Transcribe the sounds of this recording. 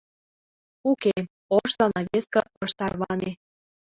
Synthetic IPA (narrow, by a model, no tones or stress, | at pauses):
uke | oʃzɑnɑβeskɤ̆βɤʃt̪ɑrβɑne